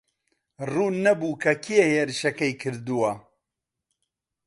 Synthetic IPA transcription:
ruːnɐbuːkʰɐkʰijeheːɾɨʃɐkɐjkʰɨɾd̪uwɐ

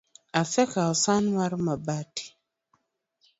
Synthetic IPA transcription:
asɛkaɔsanwaɾmabati̥

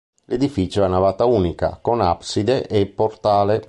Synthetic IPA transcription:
led̪ifit͡ʃjoɛnavaːt̪aunika̰konapsid̪eʔepːɔɾt̪aːle

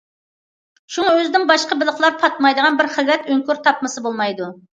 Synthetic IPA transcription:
ʃuŋɑøzɪd̪ɪŋbɑʃqɑbɪlˠəχlˠɑɾpʰɑt̪mɑjd̪əʁɑnbɪɾχəzɾɛt̪øŋkʲyɾt̪ʰɑp̚mɨsɨbolˠmɑjd̪u

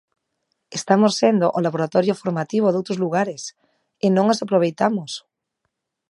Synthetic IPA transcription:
est̪amosːend̪oʔolaβoɾat̪ɔɾjofoɾmat̪iβ̞oðowt̪ɾozluɣ̞aɾes | ɪnõŋosapɾoβejt̪amos

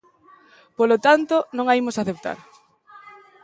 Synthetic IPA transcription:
polot̪ant̪onõŋaimosaθep̚t̪a̰ɾ

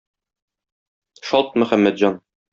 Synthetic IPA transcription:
ʃɒlˠt̪̚mɵ̆χæmːæt̪ʑɑn

